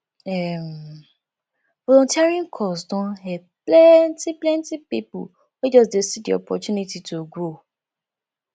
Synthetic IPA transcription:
ɛm | vɔlɔ̃ntiaɹiɔ̃nkʰɔsdɔ̃ɦɛ | plɛntiplɛ̃ntipipṵ | wed͡ʒɔs̬desidiɔ̰pɔtunititʰoɡɹo

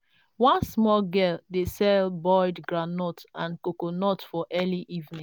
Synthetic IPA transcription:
wɔ̃nsmɔlɡɛldesɛlbɔɪdɡɹanɔtãnkokonɔtfɔʔɛliʔivnĩ

